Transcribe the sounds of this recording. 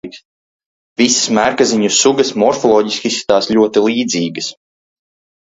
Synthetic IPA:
ks | vʲisə̥smæɾkaziɲusuɡɐsmɔɾfɔlˠɔːɟiskʲisi̥t̪aːslʲuɔt̪ilˠiːd̪ziːɡəs

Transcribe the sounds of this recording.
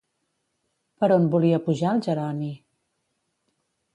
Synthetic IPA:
pəɾonbuliəpuʒalˠʒəɾani

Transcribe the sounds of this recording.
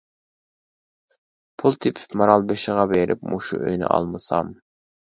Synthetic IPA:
pʰulˠt̪ʰɪpʰɪ̥pmɑɾɑlˠbeʃɪʁɑbeɾɪ̰p̚moʃṵʔø̰jnɪ̰ʔɑ̰lˠmɨsɑ̰m

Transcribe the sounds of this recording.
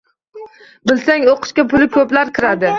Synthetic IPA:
bɪlsaŋoqʰɨ̥ʃkʲapʰʊlɪkʰɵplaɾkʲʰɪɾad̪ɪ

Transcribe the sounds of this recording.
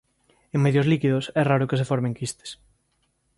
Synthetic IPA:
eŋmɛðjozlikiðʊsɛraɾʊkɪsefɔɾmẽŋkist̪e̥s

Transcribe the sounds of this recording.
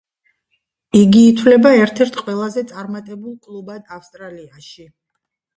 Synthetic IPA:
iɡiːt̪ʰwlɛbaɛɾt̪ʰɛɾt̪ʰqʼwɛlˠazɛt̪sʼaɾmat̪ʼɛbulˠkʼlˠubad̪afst̪ʼɾaliaʃi

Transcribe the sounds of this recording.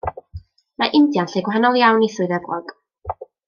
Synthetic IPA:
maʔɪndjanɬejɡwɦanɔlˠjawniθʊɨðɛbrɔ̰ɡ̥

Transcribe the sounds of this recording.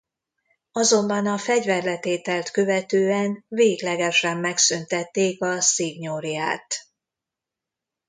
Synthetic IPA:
ɒzo̞mbɒnɒfɛɟvɛrlɛt̪eːt̪ɛlt̪kø̞vɛt̪øːɛnveːɡlɛɡɛʃɛmːɛksynt̪ɛt̪ːeːkɒsiːɡɲoɾija̰ːt̪

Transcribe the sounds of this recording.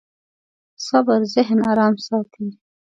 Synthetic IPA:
sabəɾzɪɦnɑːɾɑːmsɑt̪ʰin

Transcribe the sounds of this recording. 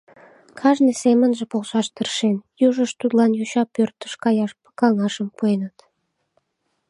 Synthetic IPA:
kʰɑʒnesemə̆nʒə̆poʁʃɑʃt̪əɾəʃenjuʒəʃt̪ud̪lˠɑnjuɕɑpːørt̪ːəʃkɑjɑʃpə̥kɑŋɑʃə̆mpojənɑt̪

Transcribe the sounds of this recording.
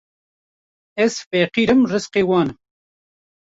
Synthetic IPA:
ɛzfɛqiːɾɨmrɨsqeːwɑːnɨm

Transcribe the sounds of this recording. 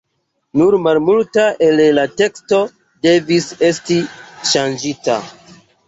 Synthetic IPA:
nuɾmalmultaʔe̞llate̞ksto̞ | de̞vise̞stiʃand͡ʒita̰

